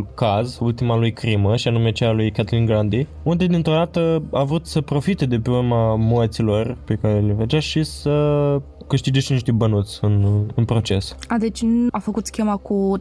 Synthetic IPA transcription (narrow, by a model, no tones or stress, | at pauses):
lkazult̪imalujkɾiməʃianume̞t͡ʃealujkat̪linɡɾand̪i | und̪e̞d̪int̪ɾo̞d̪at̪əavɾut̪səpɾo̞fit̪e̞d̪e̞peourmamoət̪silo̞rpe̞kaɾe̞leved͡ʒaʃisə | kɨʃt̪id͡ʒeʃt̪niʃt̪ebənut̪sʲɨnɨnpɾo̞t͡ʃe̞sad̪et͡ʃʲafəkut̪skʲemaku